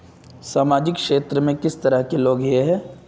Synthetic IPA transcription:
saːmaːd͡ʒɪkʃeːt̪ɾəmẽkɪst̪ɐɾəɦkeloːɡjeɦɛː

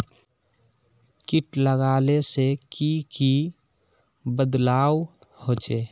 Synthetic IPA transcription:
kɪʈləɡaːlesekiki | bəd̪laːw | hoːt͡ʃeː

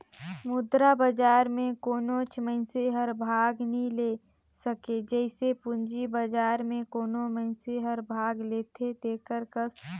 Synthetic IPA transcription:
mʊd̪ɾabəd͡ʒaːɾmẽkoːnot͡ʃʰmə̃ɪnseɦəɾbʱaːɡnile | səked͡ʒəɪsepʊnd͡ʒibəd͡ʒaːɾmẽkoːnomə̃ɪnseɦəɾbʱaːɡlet̪ʰet̪ekəɾkəs

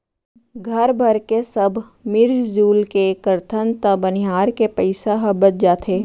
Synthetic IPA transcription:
ɡʱɐɾbʱɐɾkesəbʱ | mɪɾd͡ʒd͡ʒuːlkekəɾt̪ʰənt̪əbənɪɦaːɾkepəɪsaɦɐbət͡ʃ̚d͡ʒaːt̪ʰeː

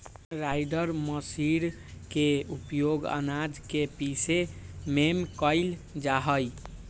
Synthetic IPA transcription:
ɾajɖəɾməsiɾ | keupjoɡə̰nad͡ʒkepisememkəɪld͡ʒaɦəj

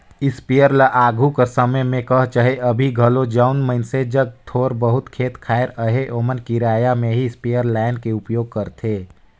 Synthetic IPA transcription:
ɪspijəɾlaʔaːɡʱukəsəməjmẽkəɦt͡ʃəɦeʔəbʱiɡʱəlod͡ʒaʊnməɪnsed͡ʒəɡ̚t̪ʰoːɾbəɦʊt̪kʰeːt̪kʰaːeɾəɦeʔoːmənkiɾaːjamẽɦiɪspijəɾlaːɪnkeʊpjoːɡ̚kəɾt̪ʰeː

